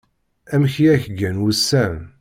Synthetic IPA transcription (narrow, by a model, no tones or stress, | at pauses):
æmçiæçəɡænwusːæm